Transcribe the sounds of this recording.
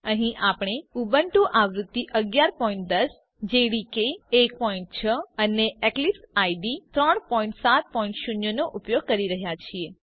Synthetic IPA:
əɦĩʔapɽ̃eubəɳʈũʔaʋɾut̪ːiʔəɡjaɾpɔĩɳʈ̚d̪əs | d͡ʒeɽikeːk̚pɔĩɳʈt͡ʃʰəəneeklipsajɖit̪ɾəɳpɔĩɳʈsat̪̚pɔĩɳʈʃunjonoʔupjoɡ̚kəɾiɾəɦjat͡ʃʰie

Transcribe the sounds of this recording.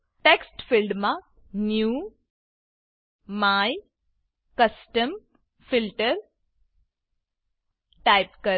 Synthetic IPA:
ʈeksʈfilɖmã | nju | maj | kəsʈəm | filʈəɾ | ʈajpkə

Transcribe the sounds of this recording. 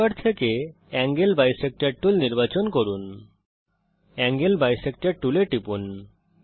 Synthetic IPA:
aɾt̪ʰeke | ɛŋɡelbajsek̚ʈaɾʈulniɾbat͡ɕonkoɾun | ɛŋɡelbajsek̚ʈaʈuleʈipun

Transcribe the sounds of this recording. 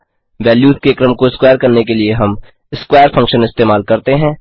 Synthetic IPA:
ʋɛːljuːzkekɾəmkoɪskwaːəɾkɐɾnekelieɦɐm | ɪskwaːəɾfʰɐ̃ŋkʃənɪst̪eːmaːlkɐɾt̪eɦɛ̃ː

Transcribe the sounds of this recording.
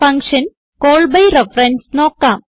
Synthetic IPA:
ɐŋkʂɐn | koːɭbɐjrefrɐnsno̞ːkːaːm

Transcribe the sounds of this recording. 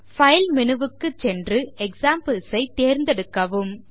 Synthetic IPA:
fɐjlmɪnɯʋɯkːɯt͡ʃɛndrɯɛksaːmpɐlsɐɪt̪eːɾnd̪ɛɽɯkːɐʋɯm

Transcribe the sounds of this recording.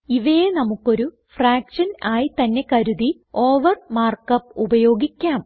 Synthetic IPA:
iʋejenɐmukːo̞ɾu | fraːkʂɐnaːjit̪ɐnːe̞kɐɾuði | o̞ːʋɐrmaːrkɐpːubɐjo̞ːɡikʲːaːm

